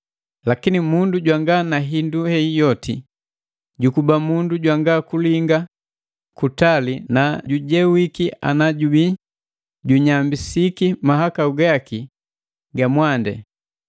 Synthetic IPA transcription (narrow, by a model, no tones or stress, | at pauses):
lakinimunduɟwaŋɡanaɦinduhɛijɔtḭ | ɟukubamunduɟwaŋɡakuliŋɡa | kutalinaɟuɟɛwikia̰naɟubi | ɟuɲambisikimaɦakauɡaki | ɡamwandɛ̰